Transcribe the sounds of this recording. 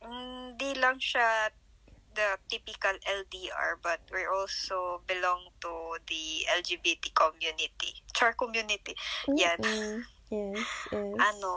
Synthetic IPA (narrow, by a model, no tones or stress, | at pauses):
hɪnd̪ilɐŋʃa | d̪ɐt̪ipɪkɐlɛld̪iʔa̰ɹbɐt̪̚wiʔɔlsobɪlɔ̃ŋt̪ud̪iʔɛld͡ʒibit̪ikʰɔmjunɪt̪it͡ʃaɹkɔmjunɪt̪ijan | ʔɐno